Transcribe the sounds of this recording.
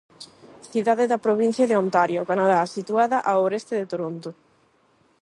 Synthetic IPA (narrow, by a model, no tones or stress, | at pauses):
θiðaðeðɐpɾoβin̟θjaðeont̪aɾjokanaðasit̪uaðɐʔaoɾest̪eðet̪oɾont̪o